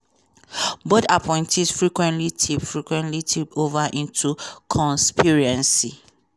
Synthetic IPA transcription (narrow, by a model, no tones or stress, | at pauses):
bodapʰɔ̃ɪ̃ntʰɛdfɹikwɛ̃ntlitʰipfɹikwɛ̃ntlitʰipovaʔĩntʰukʰɔ̃nspiɹɛ̃nsi